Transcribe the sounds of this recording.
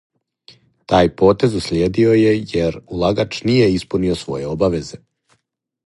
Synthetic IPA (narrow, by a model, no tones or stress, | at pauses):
t̪aːjpo̞ːt̪e̞zuslʲjeːd̪io̞je̞jeɾulˠaɡat͡ʃnije̞ispuniosʋo̞̰je̞obaʋe̞ze̞